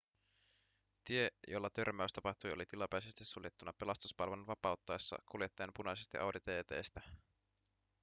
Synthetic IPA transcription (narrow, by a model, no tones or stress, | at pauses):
t̪ie̞jo̞lːɑt̪ø̞ɾmæyst̪ɑpɑht̪ujo̞lit̪ilɑpæjsest̪isːuljet̪ːunɑpe̞lɑst̪uspɑlʋononʋɑpɑut̪ːɑjsːɑ̰kuljet̪ːeːnpunɑjsest̪ḭʔɑwdit̪eːt̪e̞̰jst̪æ